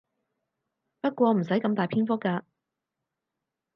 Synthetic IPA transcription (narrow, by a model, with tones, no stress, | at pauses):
pɐ˥t̚kʷɔː˧m̩˨˩sɐ˨˥jkɐ˧mt̪aː˨jpʰiː˥nfʊ˥kːaː˧